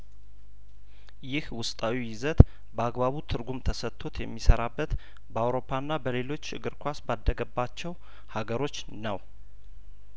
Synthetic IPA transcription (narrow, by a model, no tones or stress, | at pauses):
jɪhwʊst̪ʼawijɪzət̪ | bəaɡbaβut̪ʰɨɾɡumt̪ʰəsət̪ʰːo̞t̪jɛmːisəɾabːət̪ | bəawɾo̞pʰːanːabəle̞lo̞t͡ʃːɨ̰ɡɨɾkʰʷasbad̪ːəɡəbːat͡ʃːɛw | haɡəɾo̞t͡ʃː | nəw